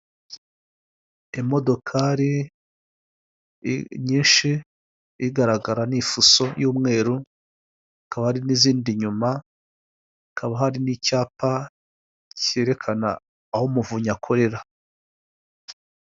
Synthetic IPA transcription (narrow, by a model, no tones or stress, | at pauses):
emo̞do̞kʰaɾi | ɲiːnʃi | iɡaɾaɡaɾanifuso̞juːmŋe̞ːɾu | kaβahaɾiniziːndiɲuma | kʰaβahaɾinicaːpa | ce̞ɾe̞kʰana̰ː | homuvuɲakʰo̞ɾe̞ɾa